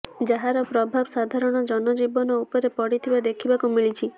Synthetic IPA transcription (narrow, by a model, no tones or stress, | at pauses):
d͡ʒaɦaɾɔpɾɔbʱabsad̪ʱaɾɔɽ̃ɔd͡ʒɔnɔd͡ʒibɔnɔupɔɾepɔɽit̪ʰibad̪ekʰibakumiɭit͡ʃʰi